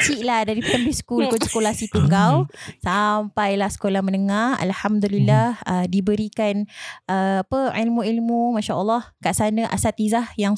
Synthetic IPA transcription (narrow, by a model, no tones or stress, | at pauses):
t͡ʃiʔlahdaɾipt̪əmbisə̥kulpʊnsə̥kolahsit̪uŋɡawsampajlahsə̥kolahmənəŋaha̰lhamd̪ulilːahədibəɾikanəapəilmũilmũmaʃaʔəlːɑhkaʔsanə̃ʔa̰sat̪̚izahjaŋ